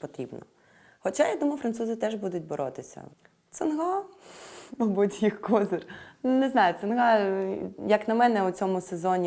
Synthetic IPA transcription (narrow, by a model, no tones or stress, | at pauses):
pɔt̪ɾʲibnɔ̰ | xɔt͡ʃajad̪umɐjʊfɾɐnt̪suzɪt̪ɛʒbud̪ʊtʲbɔɾʔɔt̪ɪsʲɐ̰ | t̪sɐnɦɑ | mɐbutʲjixkɔzɪrnɛznɑjʊt̪sɐnɦɑ | jɐknɐmɛnɛut͡sʲɔmʊsezɔnʲi